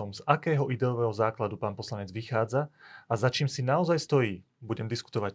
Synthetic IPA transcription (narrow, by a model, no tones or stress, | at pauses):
ɔmzakɛːɦɔʔid̪ɛɔʋɛːɦɔzaːklad̪upaːnpɔslaɲɛd͡zʋixaːd͡zaazat͡ʃiːmsinaɔzajst̪ɔjiː | buɟɛmd̪isku̥t̪ɔʋac